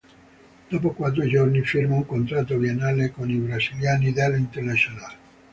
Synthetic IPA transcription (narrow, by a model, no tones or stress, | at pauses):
d̪̥ɔːpokwat̪̬ːuid͡ʒornifirmauŋkont̪ɾat̪ːoɾjenːaːlekonibɾaziljaːnid̪alːint̪ernasonal